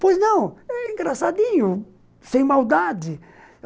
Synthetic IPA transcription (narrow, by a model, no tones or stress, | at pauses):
pojznɐ̃w̃ɛĩŋɡɾasad̪ĩɲʊ | sẽj̃mawd̪ad͡ʒɪ